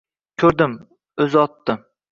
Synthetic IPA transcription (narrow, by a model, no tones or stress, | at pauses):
kʲʰɵɾd̪ɪm | ɵzɪɒt̪ːɪm